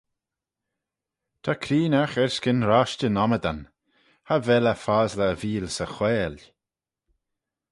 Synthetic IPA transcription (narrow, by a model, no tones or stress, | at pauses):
t̪ʰakʰɾiːnaxɛɹskɪnɾaʃtənɔməd̪an | havɛləfaːzləːviːlsəxwɛːl